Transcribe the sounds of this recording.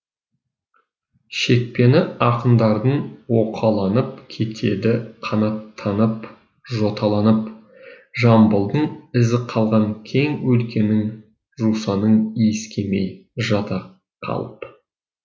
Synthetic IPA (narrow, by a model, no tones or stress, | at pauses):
ʃe̞k̚pe̞nɪɑqənd̪ɑɾd̪əɴwo̞qʰɑlˠɑnəp̚kʲʰe̞t̪ʰe̞d̪ɪqʰɑnɑt̪ʰːɑnəp | ʒo̞t̪ʰɑlˠɑnəp | ʒɑmbəlˠd̪əɴɪzɪqʰɑlˠʁɑŋkʲʰe̞ŋwɵlkʲe̞nɪŋ | ʒusɑnəɴiskʲe̞mḛjʒɑt̪ɑ | qʰɑ̰lˠəp